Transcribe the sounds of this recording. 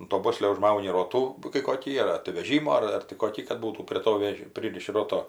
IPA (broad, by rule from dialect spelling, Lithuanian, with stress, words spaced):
ʊn toː ˈboːsʲlʲoː ʊʒˈmɐʊnʲɪ ˈroːtuː kɐɪ koːˈkʲiː ɐr ɐr tɐɪ ʋʲɛˈʒʲiːmoː ɐr tɐɪ koːˈkʲiː kɐt ˈbuːtuː pʲrʲiɛ ˈtoː ˈʋʲɛʃ ˈpʲrʲiːrʲɪʃʲɪ ˈroːtoː